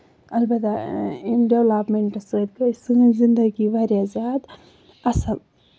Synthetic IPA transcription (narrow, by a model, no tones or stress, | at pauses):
ɐlbɐt̪a | ɖewlaːpmeɳʈɨsəd̪kɐsɨ̃zind̪ɐɡibɐɾjazʲaːd̪ | ɐsɐl